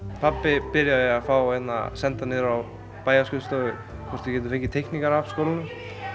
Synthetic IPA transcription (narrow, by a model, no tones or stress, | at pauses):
pʰapːɪpɪɾjaðɪafawhɛjt̪na̰sɛnt̪anɪɾaw | paːjaskʏlst̪œːɣʏ | kʰɔɾ̥t̪ʏcɛːt̪̬ʏθeɲcɪt̪ʰɛhknikaɾavskowlɪnʏm